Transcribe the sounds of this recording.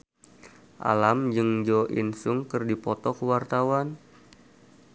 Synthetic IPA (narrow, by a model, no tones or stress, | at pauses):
ʔa̰lamd͡ʒɨŋd͡ʒɔʔḭnsʊŋkɨrdipɔt̪ɔkəwart̪awan